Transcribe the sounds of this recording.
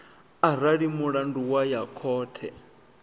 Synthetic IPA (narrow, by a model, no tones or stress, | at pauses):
aɾaɺimuɺanduwajakʰɔːtʰɛ̰